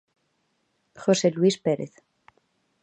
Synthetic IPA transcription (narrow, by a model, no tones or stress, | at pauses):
xoseluispeɾeθ